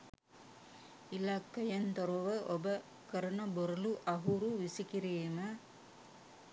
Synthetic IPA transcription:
ilakːɐjɐnt̪oɾoʋəʔobə | kəɾɐnəboɾɐluʔaɦuɾuʋisikiɾiːmə

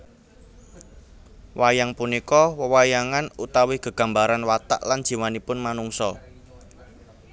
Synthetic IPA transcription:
wajaŋpunikɔwəwajaŋanut̪awɪhɡ̥ə̤ɡ̥a̤mbaɾanwat̪a̰ʔland̥ʒ̥i̤manipʊnmanuŋsɔ

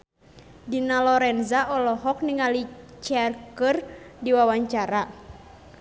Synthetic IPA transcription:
dinalɔɾɛnzaʔɔlɔɦɔk̚niŋalit͡ʃɛarkɨrdiwawaɲt͡ʃaɾa

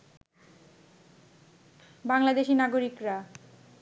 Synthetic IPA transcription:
baŋlad̪eʃinaɡoɾikɾa

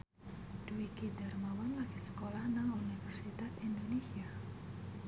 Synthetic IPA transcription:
d̪̥uikidarmawanlaɡ̥isə̥kolahnaŋunifɛrsit̪asind̪onesia

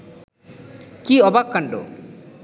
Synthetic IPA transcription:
kiɔbakːaɳɖo̰

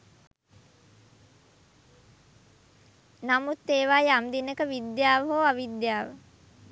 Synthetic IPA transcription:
namut̪ːeːʋajamd̪inəkəʋid̪jaːʋəɦoːaʋid̪jaːʋə

